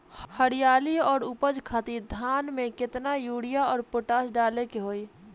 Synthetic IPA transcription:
həɽijaːliɔːɾupəd͡ʒkʰat̪id̪ʱaːnmẽkɪt̪najuːɽijaɔːɾpoʈaːsɖaːlekeɦoːi

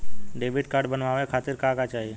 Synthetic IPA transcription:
ɖeːbʱɪʈ̚kaːɾɖbənʋaːʋekʰaːt̪ɪɾkakat͡ʃaːɦie

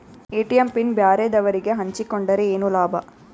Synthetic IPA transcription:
eːʈijɐmpinbjaːɾed̪ɐʋɐɾiɡe̞ɦɐɲt͡ʃikoɳɖɐɾeeːnulaːbʱɐ

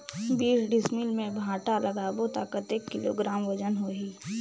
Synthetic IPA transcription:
biːsɖɪsmɪlmẽbʱãːʈalɐɡaːbot̪aːkət̪eːkːɪlo̰ɡɾaːmʋəd͡ʒənɦoːɦiː

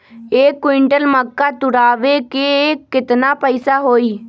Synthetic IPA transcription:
eːkːwɪ̃ɳʈəlməkːat̪ʊɽaːʋekeːkːɪt̪napəɪsaɦoːiː

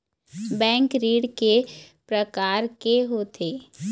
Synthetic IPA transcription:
bɛ̃ːŋkɾiːɽke | pɾəkaːɾkeɦoːt̪ʰeː

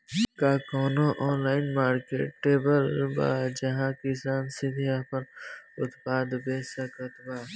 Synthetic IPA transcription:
kaːkoːnoʔɔːnlaːɪnmaːɾkḛːʈːeːbəlba̰d͡ʒɐɦãkɪsaːnsɪd̪ʱiapənʊt̪paːd̪besɐkət̪baː

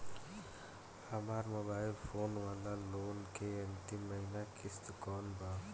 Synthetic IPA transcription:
həmaːɾmobaːɪlpʰoːnʋaːlaloːnkeənt̪imːəɦinakɪst̪kɔːnba

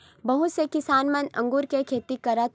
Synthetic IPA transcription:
bɐɦʊt̪sekɪsaːnmənɐ̰̃ŋɡuːɾkekʰeːt̪ikɐɾət̪

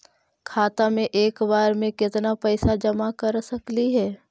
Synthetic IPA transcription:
kʰaːt̪amẽʔeːkbaːɾmẽkɪt̪napɛːsad͡ʒɐmakɐɾsɐkliɦɛː

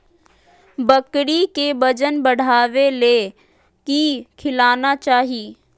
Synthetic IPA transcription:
bɐkɽikebɐd͡ʒənbɐɽ̤ʱaːʋeleː | kikʰɪlaːnat͡ʃaːɦiː

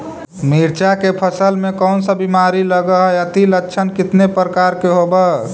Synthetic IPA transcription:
miɾt͡ʃakepʰəsəlmẽkɔʊnsə̃bimaɾiləɡəɦət̪ilətːʃʰənkɪt̪nepɾəkaɾkeɦobə

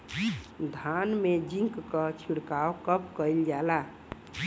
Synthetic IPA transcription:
d̪ʱanmed͡ʒĩŋkkət͡ʃʰiɽkaokəpkəjld͡ʒala

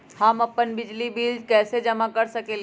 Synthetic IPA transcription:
hamɐpːənbɪd͡ʒlibiːld͡ʒkɛːsed͡ʒɐmakɐɾsɐkẽl

